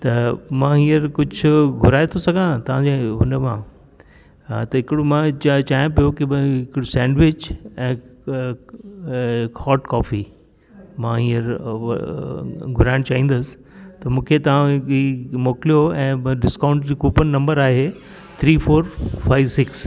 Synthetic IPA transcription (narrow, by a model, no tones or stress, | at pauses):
t̪ɐmãːĩːəɾkʊd͡ʑʱʊɡʱʊɾaːet̪ʰosɐɡʱãt̪ɐʋ̤ãd͡ʑeɦʊnəmã | t̪ɐɦɪkɪɽomãt͡ɕt͡ɕaːɦijõpijokibɦɪkɪɽosɛ̃ːɳɖʋɪt͡ɕɛ̃ː | hɔːʈkɔːfi | mãɦĩːəɾ̰ | ɡʱʊɾaːɪɽ̃t͡ɕaːɦĩːn̆d̪əsɪ̥ | t̪ɐmũːkʰet̪ɐʋ̤ãimoːkɪlijoɛ̃ːɖɪskãːʊ̃ɳʈd͡ʑiːkuːpənnɐ̃mbəɾaːɦe | t̪ʰɾiːfoːɾfaːɪʋsɪks